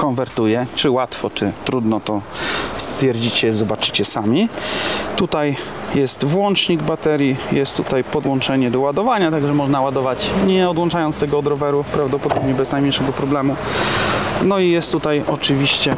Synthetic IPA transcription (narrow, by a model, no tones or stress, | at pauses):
kɔnvɛɾt̪ujɛt͡ʂɘwat̪fɔt͡ʂɘt̪ɾud̪nɔt̪ɔst̪fʲjɛɾd͡ʑit͡ɕɛzɔbat͡ʂɘ̥t͡ɕɛsamʲi | t̪ut̪ajjɛst̪vwɔnt͡ʂɲiɡbat̪ɛɾʲjijɛst̪ːut̪ajpɔd̪wɔ̃nt͡ʂɛɲɛd̪ɔwad̪ɔvaɲat̪aɡʐɛmɔʐnawad̪ɔvat͡ɕɲɛɔd̪wɔ̃nt͡ʂajɔnt̪st̪ɛɡɔːd̪ɾɔvɛɾupɾavd̪ɔpɔd̪ɔbɲɛbɛznajmʲjejʂɛɡɔpɾɔblɛmu | nɔijɛst̪ːut̪ajɔt͡ʂɘvʲiɕt͡ɕɛ